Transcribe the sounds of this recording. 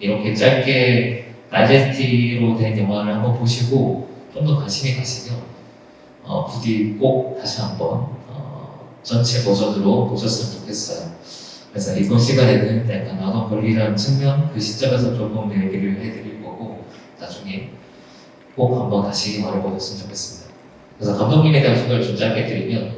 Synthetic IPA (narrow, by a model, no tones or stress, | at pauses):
iɾʌnkʰet͡ɕ͈aɭk͈e̞ | tad͡ʑesʰtʰiɾodwe̞njʌŋwaɾɯɭhambʌnpoɕʰiɡot͡ɕ͈omdʌkaɕʰimikaɕʰimjʌ | ʌ̰pudik͈ok̚t͈aɕʰiɦambʌ̰nʌ̰ | t͡ɕʌnt͡ɕʰe̞pod͡ʑʌnɯɾopod͡ʑʰʌs͈ɯmɯnt͡ɕo̥kʰe̞s͈ʌjo | kɯɾesʰʌiɡonɕʰiɡadenɯntekanaɡankʌʎːiɾant͡ɕʰɯŋmjʌŋkɯɕʰi̥p̚t͡ɕ͈ʌmes̬ʰʌt͡ɕoɭbʌŋneeɡeɾɯɭɦedɯɾiɭk͈ʌɡo | nad͡ʑuŋe̞ | k͈ok̚p͈ambaŋkaɕʰiɡimaɾaɡʌk͈as͈ɯmɯnt͡ɕokʰe̞s͈ɯmida | kɯɾe̞sʰʌkamdoŋɲinekad͡ʑʰuŋɡʌɾt͡ɕund͡ʑaɦaɡedɯɾimjʌn